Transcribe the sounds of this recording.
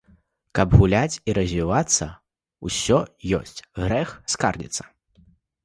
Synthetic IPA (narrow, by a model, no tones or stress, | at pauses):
kɐbɣulʲat͡sʲiɾɐzʲvʲivat̪sːɐ | usʲɔjɔ̰sʲt͡sʲɣɾɛxskarlʲḭt̪sːɐ̥